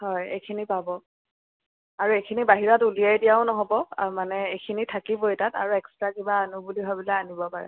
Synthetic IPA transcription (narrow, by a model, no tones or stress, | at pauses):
hɔjejkʰinipabɔ | aɹuejkʰinibaɦiɹɔtulijajdijaʊ̃nɔɦɔbɔmanɛejkʰinitʰakibojtata̰ɹuɛkstɹakibaːnubuliɦɔbilaanibɔpaɹɛ̰